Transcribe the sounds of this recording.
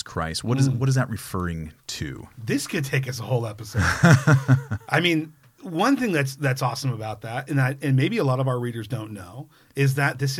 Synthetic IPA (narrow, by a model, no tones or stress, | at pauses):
kʰɹ̥a̰ɪs̚wʌɾɨzwʌɾɨzðɨʔ̚ɹɨfɜ˞ɪ̃ŋtʰʉ̰ðɪskʰɨd̚tʰeɪk̬ʌsəhoʊlˠɛpəsod | ʔaɪmĩn | wʌ̃nθɪ̃ŋðɨtsðɨtsɔsə̃məbaʊt̪̚ðætɨ̃naɪɨ̃nmeɪbiəlɔɾʌvaʊə˞ɹiɾə˞zdõʊ̃nːoʊ | ɪzðɨt̪̚ðɪs